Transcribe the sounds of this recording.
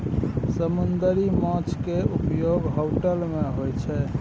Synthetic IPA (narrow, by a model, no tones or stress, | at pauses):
səmund̪əɾimɔ̃t͡ʃʰkeupjoɡɦoʈəlmẽɦojt͡ʃʰɛ